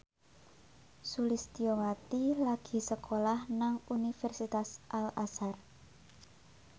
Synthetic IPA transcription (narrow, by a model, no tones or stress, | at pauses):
sulist̪iowat̪ilaɡ̥i̤səkʰolahnaŋunifɛrsit̪asʔalasar